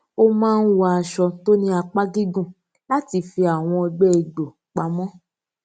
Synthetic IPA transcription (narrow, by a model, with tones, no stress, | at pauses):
o˦mãː˦˧n̩˦wa˧a˧ʃɔ˧to˦nĩ˦a˧k͡pa˦ɡi˦ɡũ˦˨ | la˦ti˧˦fi˧a˨w̃ɔ̃˧i˧ɡ͡bɛ˦e˧˨ɡ͡bo˨ | k͡pa˧mɔ̃˦